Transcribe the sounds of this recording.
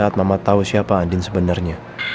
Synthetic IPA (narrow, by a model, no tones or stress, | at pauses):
aat̪̚mamat̪ausiapaːndɪnsəbənarɲa